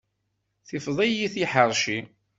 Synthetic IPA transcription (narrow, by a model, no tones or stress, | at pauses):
θɪfðˤijiθiħəɾˤʃi